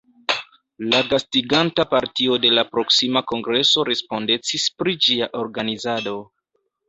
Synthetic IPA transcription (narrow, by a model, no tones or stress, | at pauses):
laɡastiɡantapaɾtio̞de̞lapɾo̞ksimako̞ŋɡɾe̞so̞ɾe̞spo̞nde̞t͡sispɾid͡ʒiaʔo̞ɾɡanizado̞